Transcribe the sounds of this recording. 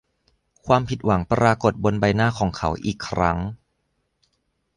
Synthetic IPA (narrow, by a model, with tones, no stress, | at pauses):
kʰwaː˧mpʰi˨˩t̪̚wa˩˦ŋpɾaː˧ko˨˩t̪̚bo˧nba˧jnaː˥˩kʰɔː˩˦ŋkʰa˦wʔiː˨˩kʰːɾʔa˦˥ŋ